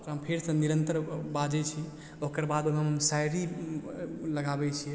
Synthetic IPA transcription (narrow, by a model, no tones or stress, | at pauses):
t̪ɦəmpʰeɾsə̃niɾənt̪əɾbad͡ʒɛt͡ʃʰi | okəɾbad̪onəməmsajɾi | ləɡabɛt͡ʃʰiɛ